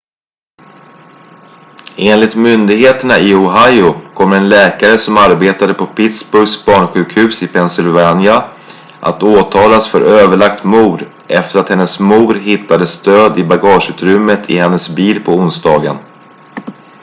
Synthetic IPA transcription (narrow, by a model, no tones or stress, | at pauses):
eːnlɪt̪mʏnd̪ɪɡɦeːt̪əɳaɪɔɦajʊkʰɔmːɾɛnlɛːkaɾəsɔmaɾbeːt̪ad̪əpʰɔpʰɪt̪sbɵɾɡsbɑːɳɧʉ̟ːkhʉ̟ːsɪpʰɛnsɪlvanja | ʔa̰t̪oːt̪ʰɑːlasfœɾøːvəɭakt̪muːd̪ | ʔɛft̪əɾat̪hɛnːəsmuːɾɦɪt̪ʰːad̪əst̪øːd̪ɪbaɡɑːʂʉ̟ːt̪ɾʏmːət̪ʰɪhɛnːəsbiːlpʰɔʊnsd̪ɑːɡən